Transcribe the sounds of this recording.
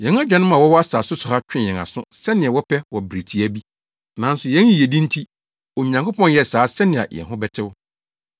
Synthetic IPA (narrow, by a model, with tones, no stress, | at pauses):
jɛ̃˨˦n˦a˦d͡ʑᶣɛ˨nʊ̃˦mã˨wɔ˦wɔ˦a˦saː˨sʊ˦sʊ˨ha˦t͡ɕᶣɪ̃˦˨ɛ̃˨ŋa̰˨sʊ̰̃˦sɛ˦nɪ̃˨a˨wɔ˦pʰɛ˦wɔ˨bɾi˨tʰi˨æ˦bi˦ | nã˨˦n̩˦sʊ˨jɛ̃˨˦n˦i˨je˨dĩ˦n̩˦tʰi˦ | ɔ˨ɲ̃˨ɲã˨kʰʊ˦pɔ̃˦njɛ˦˨saː˨˦sɛ˦nɪ̃˨a̰˨jɛ̰˨nɦʊ̃˦bɛ˦tʰɪ˦wʊ˦